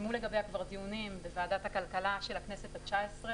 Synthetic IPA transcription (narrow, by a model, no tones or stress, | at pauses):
mule̞ɡabejakvaʁt̪iunimbevaːd̪at̪hakalkalaʃelakneset̪at͡ʃaesʁe